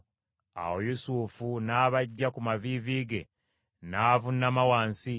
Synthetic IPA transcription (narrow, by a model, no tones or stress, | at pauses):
a̰wojusufunaːβaɟːakumaviːviːɡe̞ | naːvunːamawaːnsi